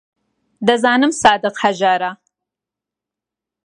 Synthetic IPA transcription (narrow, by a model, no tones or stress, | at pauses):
d̪ɐzɑːnɨmsɑːd̪ɨqhaʒɑːɾa